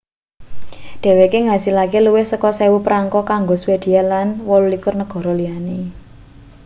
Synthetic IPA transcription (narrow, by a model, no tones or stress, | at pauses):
ɖ̪̥ɛ̤wekeŋasilakeluwɪhsəkɔsewupɾaŋkɔkaŋɡɔswed̪̥i̤alanwɔlulikʊrnəɡ̥ɔ̤ɾɔlijane